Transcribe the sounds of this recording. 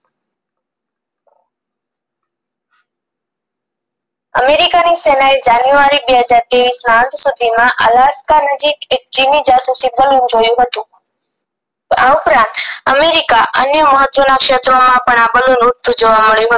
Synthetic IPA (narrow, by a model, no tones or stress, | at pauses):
ə̰meɾikanisenaid͡ʒanjuaɾibeɦəd͡ʒaɾt̪eʋisnaə̃nt̪ʰsud̪ʱimãʔə̰laskanəd͡ʒiked͡ʒinid͡ʒasusibəlund͡ʒojũɦət̪ũ | aupɾãnt̪əmeɾikaʔənjəməɦət̪ʋənakʃet̪ɾomãpəɳabəlunʊd̪ʱːud͡ʒoʋaməɭjũɦə